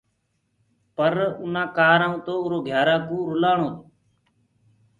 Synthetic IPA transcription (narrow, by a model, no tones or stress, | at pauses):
pəɾʊnãːkaːɾaːũːt̪oːʊɾoːɡʱjaːɾaːkũːɾʊlaːɳoːt̪